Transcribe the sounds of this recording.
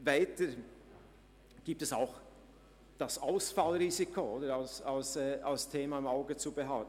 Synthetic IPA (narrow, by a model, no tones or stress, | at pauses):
vaɪtə | ɡ̥iːp̚tɛsaʊx | d̥ɑsaʊsfalʁiːzikʰooːdəɾalsalsɛːʔalstʰeːmɑɪmaʊɡət͡subɛɦalt